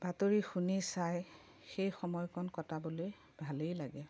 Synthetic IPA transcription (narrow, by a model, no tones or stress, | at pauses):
b̥atoɹixunisaj | xejxɔmɔjkʰɔnkɔtʰaboloj | bʱalejlaɡɛ